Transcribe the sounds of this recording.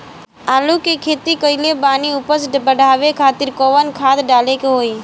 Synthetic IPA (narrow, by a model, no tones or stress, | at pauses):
aːlukekʰeːt̪ikəilebaːniʊpəsbəɽʱaːʋekʰaːt̪ɪɾkoːʋənkʰaːt̪ɖaːlekeɦoːiː